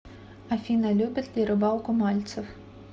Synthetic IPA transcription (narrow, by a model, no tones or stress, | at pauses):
ɐfʲinɐlʲubʲɐt̪ʲlʲiɾɪbɑwˠkʊmɑlʲt̪sɔw